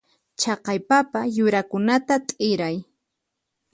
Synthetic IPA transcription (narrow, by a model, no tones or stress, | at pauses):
t͡ʃɑqɑjpapajʊɾakʊnat̪at̪ʼɪɾaj